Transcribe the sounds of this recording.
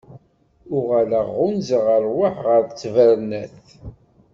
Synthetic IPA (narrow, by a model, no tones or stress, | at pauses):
ʊʁæləʁːʊnzəʁəɾˤwaħʁəɾt͡sːvəɾnæθ